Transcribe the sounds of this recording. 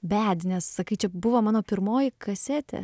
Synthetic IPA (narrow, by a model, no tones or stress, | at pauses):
bʲæːd̪ʲnʲɛssɐkɐɪt͡ʃʲɛbʊʋɐmɑːnoːpʲɪɾmoːjɪkɐsʲæt̪ʲɛ̰